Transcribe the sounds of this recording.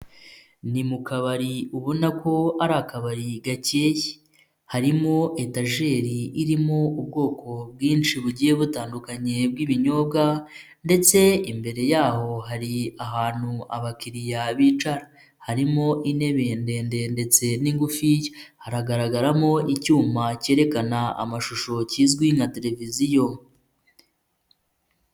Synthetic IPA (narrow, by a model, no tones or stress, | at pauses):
nimukaβaɾiuβonako̞aɾakaβaɾiɡaceji̥ | haɾimo̞ʔe̞taʒe̞ːɾiiɾimo̞ubɡo̞ːkʰo̞bɡiːnt͡ʃiβuɟije̞βutaːndukaɲe̞b̚ɡiːβiɲo̞ːbɡa | nde̞t͡se̞imbe̞ɾe̞jaːɦo̞ɦaɾiaɦaːn̥hua̰βakiɾijaβiːt͡ʃaɾa | haɾimo̞ʔine̞βeːnde̞nde̞nde̞t͡se̞niŋɡufijhaɾaɡaɾaɡaɾamo̞ʔicuːmace̞ːɾe̞kanaa̰maʃuʃo̞ciːzɡwiŋate̞ɾe̞vizijo